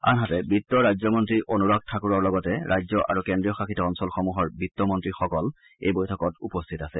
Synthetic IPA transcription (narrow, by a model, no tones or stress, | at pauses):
a̰nɦatɛbitːɔɹajzɔmɔntɹiʔonuɹak̚tʰakuɹaɹlɔɡɔtɛɹʔajzɔʔa̰ɹukɛndijɔxaxitɔɔnsɔlxɔmuɦɔɹbitːɔmɔntɹixɔkɔl | ḛjbojtʰɔkɔtupɔstʰitasɛ